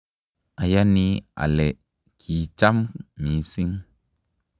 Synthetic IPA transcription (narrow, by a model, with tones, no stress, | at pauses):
a˨ja˦ni˧a̰˨lɛ˨ | kʰi˨˦t͡ʃa˦mmĩ˨˦si˦ŋ